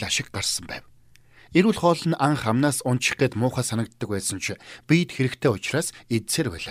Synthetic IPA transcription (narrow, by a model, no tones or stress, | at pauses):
ɮaʃɪ̆k̚ɢarsə̆mpæ̰ːw | eɾuːɮχɔːɮə̆naɴχamnaːsʊnʃɪ̥̆qeːt̪mʊːχaːsanə̆kt̪ːə̆kpæːsə̆nt͡ɕʰpijt̪xeɾɘ̆kt̪ʰeːʊt͡ɕraːset̪seːrpæ̰ːɮa̰ː